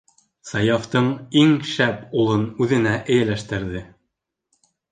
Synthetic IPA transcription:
sɑjɑft̪ɤɴiŋʃæpulˠɤnʉðɘ̆næʔɘ̆jælæʃt̪ɘ̆ɾðɘ

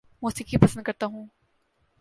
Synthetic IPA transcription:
moːsɪkipɐsə̃nd̪kɐɾt̪aɦũː

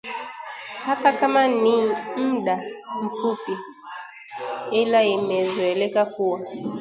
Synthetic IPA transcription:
hakakamanim̩ɗaɱ̩fupi | ɛlaimɛzwɛlɛkakuwa

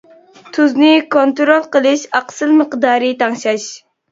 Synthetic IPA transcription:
t̪ʰuznɪkʰont̪ɾolˠqəlˠɨʃɑqsɨlməqd̪ɑːɾɨt̪ʰɑŋʃɑʃ

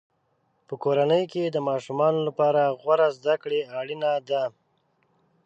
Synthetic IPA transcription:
pəkoɾanəjked̪əmɑʃumɑnolapɑɾaɣwaɾazd̪akɽeaɽinad̪a

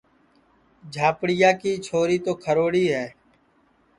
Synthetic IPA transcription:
d͡ʒʱaːpɽɪjaːkiːt͡ʃʰoːɾiːt̪oːkʰəɾoːɽiːɦɛː

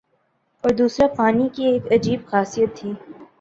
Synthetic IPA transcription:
ɔːɾd̪uːsɾapaːnikieːkɐd͡ʒiːbxaːsijət̪ʰːiː

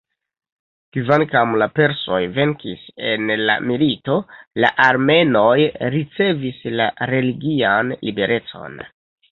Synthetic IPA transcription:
kivankamlape̞ɾso̞jve̞ŋkḭse̞nla̰milito̞la̰ʔaɾme̞no̞jɾit͡se̞vislaɾe̞liɡianlḭbe̞ɾʔe̞t͡so̞̰n

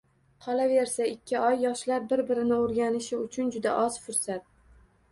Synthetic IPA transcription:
qʰɒlave̞ɾsaɪkʲːɪɒjːɒʃlaɾbɪɾbɪɾɪnɪoɾɡʲanɪʃɪʊt͡ʃʰʊnd͡ʒʊd̪a̰ʔɒz̥fʊɾsat̪̚

